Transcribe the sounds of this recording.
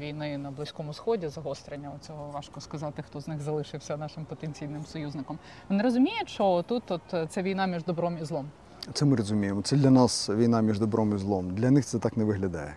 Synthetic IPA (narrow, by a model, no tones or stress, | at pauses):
ʋʲijnɪnɐblˠɪsʲkɔmʊsxɔdʲizɐɦɔst̪ɾenʲːɐɔt͡sʲɔɦɔʋɑʃkɔskɐzɑt̪ɪxt̪ɔznɪxzɐlˠɪʃɪwsʲɐnɑʃɪmpɔt̪enʲt͡sʲijnɪmsɔjuznɪkɔm | neɾɔzʊmʲijɛt͡ʃɔt̪ut̪ɔt̪t̪sɛʋʲijnɑmʲiʒd̪ɔbɾɔmizlˠɔm | t̪sɛmɪɾɔzʊmʲijemɔt̪sɛd̪lʲɐnɑsʋʲijnɑmʲiʐd̪ɔbɾɔmizlˠɔmd̪lʲɐnɪxtsɛt̪ɑknɛʋɪɦlʲɐd̪ɑ̰jɛ